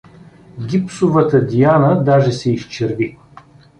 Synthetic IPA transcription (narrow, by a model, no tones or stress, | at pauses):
ɡʲipsʊvət̪əd̪ianəd̪aʒɛsɛiʃt͡ʃɛɾvi